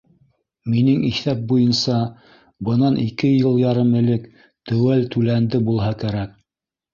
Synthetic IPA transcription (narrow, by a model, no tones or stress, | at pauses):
minɘŋiθæp̚bujɤnsɑ | bɤ̆nɑnʔikɘjɤlˠjɑɾɤmɘ̆lɘk | t̪ɵ̆wælt̪ʉlænd̪ɘbulˠɦɑkæɾæk̚